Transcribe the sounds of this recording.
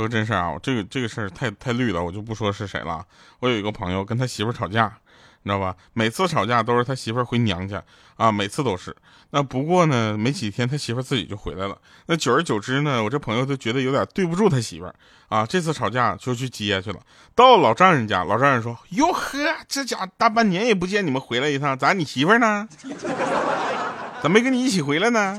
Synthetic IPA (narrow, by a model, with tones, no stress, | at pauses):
ə˥˧ʈ͡ʂə˥nʂə˞˥˧˩a̰˩wɔ̰˨˩ʈ͡ʂɤ˥˩ɡə˩ʈ͡ʂɤ˥˩ɡə˩ʂə˥˩t̪ʰa˥˧ɪt̪ʰa˥˧ɪly˥˩lə˩wɔ˨˩t͡ɕjo˥˧ʊp̬u˥˩ʂwɔ˥d̪ə˧ʂɻ̩˥˩ʂe˨˩ɪlə̰˦a̰˥˩ | wɔ˧˥ji˧˥ɡə˧pʰɤ˧˥ŋjo˧ʊk̬ə˥nt̪ʰa˥ɕi˧˥ə˞˥ʈ͡ʂʰɑ˨˩ʊt͡ɕja˥˩ | na˥˩bɐ˩ | me˨˩ɪt͡sʰɹ̩˥˩ʈ͡ʂʰɑ˨˩ʊt͡ɕja˥˩t̪o˥ʊʂɻ̩˥˩t̪ʰa˥ɕi˧˥wə˞˥˧˥xwe˧˥ɪnjɑ̰˧˥ŋt͡ɕa̰˥˧ | a˧me˨˩ɪt͡sʰɹ̩˥˩t̪o˥ʊʂɻ̩˥˩ | na˥˩pu˧˥kwɔ˥˩nə˩me˧˥ɪt͡ɕʰi˨˩t̪ʰjɛ˥nt̪ʰa˥ɕi˧˥fə˞˥˧˥t͡sɹ̩˥˩t͡ɕḭ˨˩t͡ɕjo˥˩ʊxwe˧˥ɪla˧˥ɪlə̰˩ | na˥˩t͡ɕjo˨˩ʊə˞˧˥t͡ɕjo˨˩ʊʈ͡ʂɻ̩˥nə˨wɔ˨˩ʈ͡ʂɤ˥˩pʰɤ˧˥ŋjo˧t͡ɕ̬o˥˩t͡ɕɥɛ˧˥d̪ə˧jo˧˥ʊt̪ʲjɑ˨˩t̪we˥˧ɪp̬u˧ʈ͡ʂu˥˩t̪ʰa˥ɕḭ˧˥fə̰˧ | a˥˧ʈ͡ʂɤ˥˧t͡sʰɹ̩˥˩ʈ͡ʂʰɑ˨˩ʊt͡ɕja˥˧t͡ɕjo˥˧ʊ˧t͡ɕʰy˥˩t͡ɕi˧˥jɛ˧˥t͡ɕʰy˥˩lə̰˩ | t̪ɑ˥˩ʊlɑ˨˩ʊʈ͡ʂɑ˥˩ŋɻə˧˥nt͡ɕja̰˥˩lʔɑ˨˩ʊʈ͡ʂɑ˥˧ɻə˧˥nʂwɔ˥jo˨˩ʊxɤ˥a˨˩ʈ͡ʂ̩˥˩t͡ɕja˨˩t̪a˥˧p̬a˥˩nnjɛ˧˥njɛ˨˩p̬u˧˥t͡ɕjɛ˥˩ni˨˩mə˦nxwe˧˥ɪla˧ɪi˧˥sʰɑ˥˧ŋt͡sa˧˥ni˨˩ɕi˧˥fə˥˧nə˧ | t͡sa˧˥mə˧kə˥ŋni˨˩i˥˩t͡ɕʰi˨˩xwe˧˥ɪla˧ɪnə˩